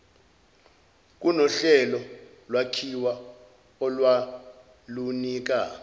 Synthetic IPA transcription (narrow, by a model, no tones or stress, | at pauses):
k̬ʼunɔɬɛlɔ | lwakʰiwa | ɔlwa | luniːk̬a